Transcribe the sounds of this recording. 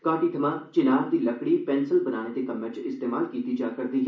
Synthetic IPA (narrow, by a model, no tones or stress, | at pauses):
kaːʈid̪ʱəmat͡ʃɪnaːb̚d̪ilɐkɽipɛ̃ːnsəlbɐnaːnet̪ekɐmːɛ̃t͡ʃɪst̪eːmaːlkiːt̪id͡ʒaːkɐɾd̪iɦ